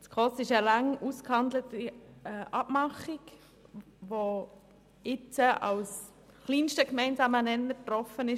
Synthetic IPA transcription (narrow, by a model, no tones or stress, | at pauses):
t͡skʰʁɔsɪʃəlɑŋuskhɑndlətiɛʔɑb̥mɑχik | ʋo | ɪt͡səʔɑ̰ws | χliːnʃtəkmɛɪnzɑːmənɛnːət̪ɾɔfənɪʃ